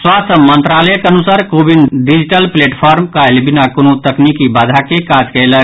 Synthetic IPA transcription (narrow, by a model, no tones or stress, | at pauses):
swaːt̪ʰəmːə̃nt̪ɾaːləjəkeɐnusaːɾkoːbinɖid͡ʒʈəlpleːʈpʰaːɾmkaɪlbɪnakonot̪əknikibaːd̪ʱakekaːd͡ʒkeːlə